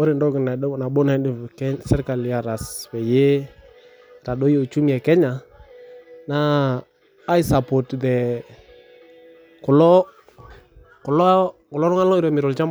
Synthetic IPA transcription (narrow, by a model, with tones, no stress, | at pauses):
ɔ˦ɾɪ˨ndɔ˦ɡɪ˨na˨˦˨na˨bo˦na˨˦dɪ˦˨kɛ˦sɛ˦ɾka˨lja˨ɾa˨sbɛ˨je˦ | ɾa˨ɗo˦jo˨t͡ʃu˦m˦˨ɛ˨kɛ˦ɲa˨ | naː˦ | jsa˨pɔ˨tdɛ˨ | kʊ˨lɔ˦ | kʊ˨lɔ˦kʊ˨lɔ˦ɾʊ˦ŋa˦lɔ˦i˦ɾɔ˨mɪ˨ɾɔ˨lt͡ʃa˦m